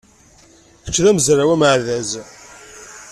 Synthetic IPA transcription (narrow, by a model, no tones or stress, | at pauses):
ə̥t͡ʃːðæməzɾawæmʕðæz